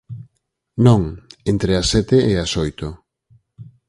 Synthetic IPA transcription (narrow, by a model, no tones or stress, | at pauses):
nõŋent̪ɾeɐsɛt̪eeɐsojt̪o